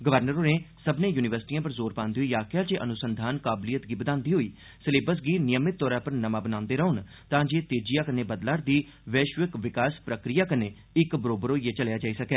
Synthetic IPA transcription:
ɡəʋəɾnəɾoːneːsəbnẽːjuːnɪʋəɾsʈiːãːpəɾzoːɾpãːnd̪iːɦoiːaːkʰjaːt͡ʃeːʔənʊsənd̪ʱaːnkaːblijət̪ɡiːbəd̪ãːnd̪iːɦoiː | səleːbəsɡiːnɪjəmːɪt̪̚ːɔːɾãːpəɾnəmaːbənãːnd̪eːɾəʊn | t̪ãːd͡ʒeːt̪eːd͡ʒijaːkəneːbəd̪laːɾd̪iːʋɛːʃʋəkʋɪkaːspɾəkɾijaːkəneː | ɪkbəɾoːbəɾoːieːt͡ʃəlejaːd͡ʒaːiːsəkɛː

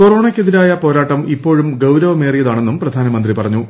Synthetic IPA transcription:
koro̞ːɳɐkʲːeðiɾaːjɐpo̞ːɾaːʈːɐmipːo̞ːɻumɡɐwɾɐʋɐme̞ːrijɐðaːɳe̞nːumprɐd̪ʱaːnɐmɐnd̪ripɐrɐɲːu

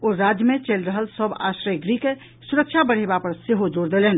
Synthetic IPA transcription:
oɾad͡ʒjəmet͡ʃəlɾəɦəlsəba̰ʃɾəjɡɾike | suɾəkt͡ʃʰabəɽ̤ebapəɾseɦod͡ʒoɽd̪elen

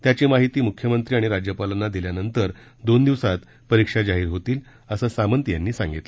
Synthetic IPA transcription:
t̪jat͡ɕiːmaɦit̪iːmukʰjəmənt̪ɾiːaɽ̃iɾad͡ʑjəpalənad̪iljanənt̪əɾ | d̪ond̪iʋsat̪ | pəɾikʂad͡ʑaɦiːɾɦot̪iːl | əsəːsamənt̪janːiːsaŋɡit̪lə

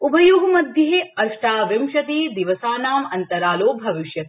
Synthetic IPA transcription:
ubʱɐjuɦɐmɐd̪ʱjɐɦeɐɾʂʈaːʋɐmʃɐt̪iːd̪iʋɐsaːnaːmɐnt̪ɐɾaːloːbʱɐʋiʃjɐt̪

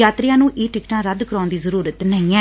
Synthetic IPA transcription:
aːt̪ɾɪjãːnũːʔeːʈɪkʈãːɾəd̪kəɾãːnd̪iːzəɾuːɾət̪nəɦĩːɛː

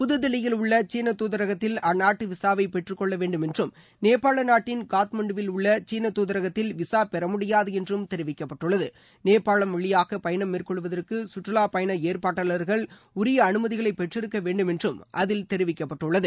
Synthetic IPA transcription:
pʊðɯðɪlɪjɪlʊɭːɐt͡ʃiːnɐt̪uːðɐɾɐɣɐt̪ːɪlɐnːaːʈːɯʋɪsaːʋɐɪpɛʈrɯkːɔɭːɐʋeːɳɖɯmɛndrɯm | neːpaːɭɐnaːʈːɪnkaːt̪mɐɳɖɯʋɪlʊɭːɐt͡ʃiːnɐt̪ːuːðɐɾɐɣɐt̪ːɪlʋɪsaːpɛɾɐmʊɽɪjaːðɯɛndrɯmt̪ɛɾɪʋɪkːɐpːɐʈːɯɭːɐðɯ | neːpaːɭɐmʋɐɭːɪjaːɣɐpɐjɐnɐmːeːrkɔɭɯʋɐðɐrkɯsʊʈrɐlaːpɐjɐnɐeːrpaːʈːɐɭɐɾɣɐɭ | ʊɾɪjɐːnɯmɐðɪɣɐɭɐɪpːɛʈrɪɾɯkːɐʋeːɳɖɯmɛndrɯmʔɐðɪlt̪ɛɾɯʋɪkːɐpːɐʈːɯɭːɐðɯ

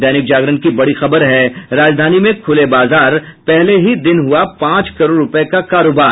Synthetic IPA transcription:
d̪ɛːnɪk̚d͡ʒaːɡɾənkibɐɽixɐbəɾɦɛɾaːd͡ʒd̪ʱaːnimẽkʰʊlebaːzaːɾ | pɛɦleɦid̪ɪnɦʊapãːt͡ʃkɐɾoːɾɾʊpekakaːɾoːbaːɾ

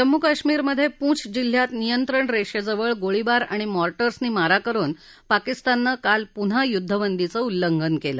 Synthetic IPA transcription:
d͡ʑəmːukaɕmiːɾməd̪ʱːjepũːt͡sʰd͡ʑil̤ːjat̪nijənt̪ɾəɳɾeʂəd͡zəʋəɭɡoɭibaɾa̰ɽ̃imɔɾʈəɾsniːmaɾakəɾuːn | pakist̪anːəkalpuɽ̤ajud̪ʱːəʋənd̪it͡səulːəŋɡʱənkelə̰

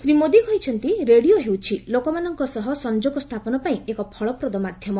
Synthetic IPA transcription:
sɾimod̪ikɔɦit͡ʃʰɔnt̪iɾeɽioɦewt͡ʃʰilokɔmanɔŋkɔsɔɦɔsɔnd͡ʒoɡɔst̪ʰapɔnɔpaĩekɔpʰɔɭɔpɾɔd̪ɔmad̪ʱjɔmɔ

